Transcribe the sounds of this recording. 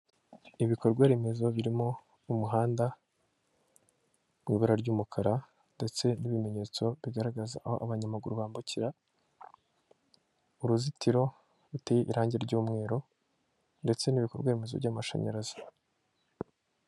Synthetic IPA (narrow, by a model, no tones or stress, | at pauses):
iβiko̞ɾɡweːɾeme̞zo̞βiɾimo̞ | umuɦaːnda | miβiɾaɾɟuːmukʰaɾa | nde̞t͡se̞niβime̞ɲe̞ːt͡so̞βiɡaɾaɡaza̰ʔaho̞ʔaβaɲamaɡuɾuβaːmbuciɾa | uɾuzitiɾo̞ | ɾutejeʔiɾaːɲɟeɾɟuːmŋe̞ːɾo̞ | nde̞t͡se̞niβiko̞ɾɡweːɾeme̞zo̞̰vɟamaʃa̰ɲa̰ɾazi̥